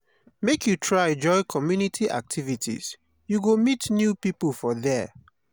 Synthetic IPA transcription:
mekʰjutʰɹãd͡ʒɔɪkʰɔmjunitʰiʔa̰k̚tʰivitʰḭz̥ | juɡomitnjupipəlˠfɔðɛ

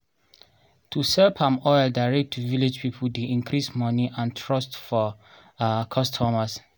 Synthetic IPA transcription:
tʰusɛlpʰãmɔjədaɪɹɛk̚tʰːuviled͡ʒpʰipʰudeĩŋkʰɾismɔniʔãntʰɹɔstfɔ | kʰɔstʰɔmas

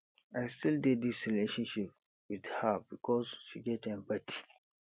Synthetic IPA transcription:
ʔajstilded̪isɹileʃɔ̃nʃip̚ | widhəbikʰɔzʃiɡɛtɛ̃mpatʰi̥

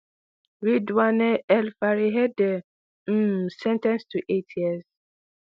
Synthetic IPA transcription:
ɾidwaneɛlfaɾiɦede | m̩sɛntɛ̃nstuʔetʰjiɛs

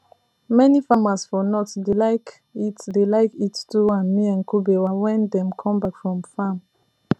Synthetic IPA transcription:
mɛnifamasfɔnɔtdelaɪk | itdelaɪkittuãnmiãnkʰubewawɛ̃ndɛ̃mkʰɔ̃mbakfɹɔ̃mfam

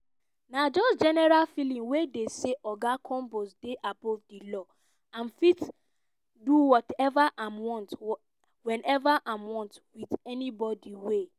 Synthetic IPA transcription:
nad͡ʒɔsd͡ʒɛnɛɹalfilĩŋwedeseʔɔɡakʰɔ̃mbosdeʔabɔvdilɔ | ãnfit | duwɔtɛvaʔãmwɔ̃nt | wɛ̃nɛvaʔamwɔ̃ntwiðɛnibɔdiwe

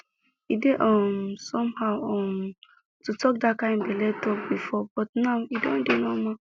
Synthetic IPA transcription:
ideʔɔmsɔ̃mhaʊɔm | tutʰɔk̚dakãɪ̃nbɛlɛtʰɔk̚bifɔb̥ɔtnaʊidõ̰ndenoma

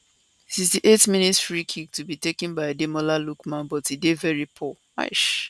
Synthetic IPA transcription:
tizdiʔetmĩnitsfɹikʰik̚tubitekɛ̃nbaɪdemɔlalukmãnbɔtidevɛɹipʰɔ | a̰ɪʃ

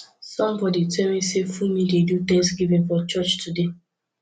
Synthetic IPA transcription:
sɔ̃mbɔditʰɛmisefumĩdedudɛ̃sɡivɛ̃nfɔt͡ʃɔt͡ʃtʰude

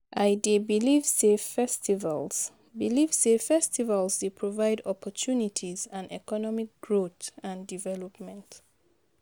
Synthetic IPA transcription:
ʔajdebilivzefɛstiva̰lz̥ | bilivdefɛstivalˠzdepʰɹɔvaɪdɔpʰɔtʰunitʰizãnɛkɔnɔmik̚ɡ̥ɹotãndivɛlɔpmɛ̃nt

